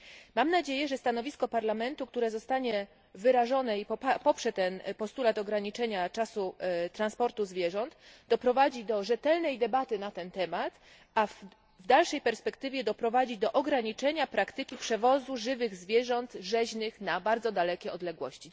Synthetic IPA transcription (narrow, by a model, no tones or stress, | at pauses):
mamnad͡ʑejɛʐɛst̪an̪ɔvʲiskɔpaɾlamɛnt̪uk̚t̪uɾɛzɔst̪aɲɛ | vɘɾaʐɔnɛippɔpʂɛt̪ɛnpɔst̪ulat̪ɔɡɾaɲit͡ʂɛɲat͡ʂasut̪ɾanspɔɾt̪uzvʲjɛʐɔnt̪d̪ɔpɾɔvad͡ʑid̪ɔʐɛt̪ɛlnɛjd̪ɛbat̪ɘnat̪ɛnt̪ɛmat̪ | a | vd̪alʂɛjpɛɾspɛkt̪ɘvʲjɛd̪ɔpɾɔvad͡ʑid̪ɔʔɔɡɾaɲit͡ʂɛɲapɾakt̪ɘkʲipʂɛvɔzuʐɘvɘɣzvʲjɛʐɔnt̪ʐɛʑnɘxnabaɾd̪zɔd̪alɛkʲɛɔd̪lɛɡwɔɕt͡ɕi